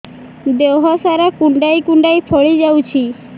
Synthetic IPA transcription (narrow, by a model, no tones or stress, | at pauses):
d̪ewɦɔsaɾakuɳɖajkuɳɖajpʰɔɭid͡ʒawt͡ʃʰi